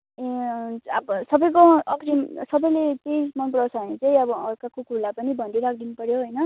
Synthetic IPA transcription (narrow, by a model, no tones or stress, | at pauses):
e | bʌsʌbʌjkoʌkʰɾimsʌbʌjlet̪esmʌnprʌwsʰʌɦʌnet͡sʌĩʌbʌːrkakokulapʌnibʱʌnd̪iɾak̚ʰd̪inupʌɾjoɦojnʌ